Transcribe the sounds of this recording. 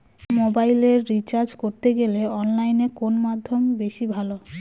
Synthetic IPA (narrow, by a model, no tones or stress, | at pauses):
mobajleɾːit͡ɕaɾd͡ʑkoɾt̪eɡeleɔnlajnekonmad̪ʱːombeʃibʱalo